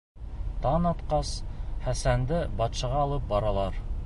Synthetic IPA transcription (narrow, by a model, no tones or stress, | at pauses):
t̪ɑnɑt̪qɑsχæsænd̪ɘbɑt̪ʃɑʁɑːlˠɤp̚bɑɾɑlˠɑɾ